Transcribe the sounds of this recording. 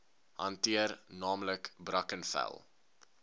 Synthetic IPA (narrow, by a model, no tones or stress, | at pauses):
hɐntiərnɑːmləkbrɐkənfæ̰lˠ